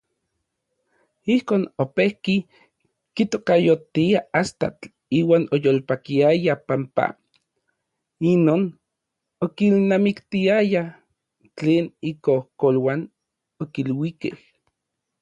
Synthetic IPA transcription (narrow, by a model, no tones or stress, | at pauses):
ihkoːnopehki | kit̪okajot̪iaast̪a̰t͡ɬ | iːwaːnojolpakiajapampa̰ | inoːn | okilnamikt̪iaja | t͡ɬeːnikohkolwaːn | okilwikḛh